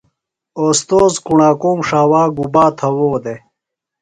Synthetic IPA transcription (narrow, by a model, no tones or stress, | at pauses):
oːst̪oːzkuɳaːkuːmʂaːwaːɡubaːt̪ʰɐwoːd̪e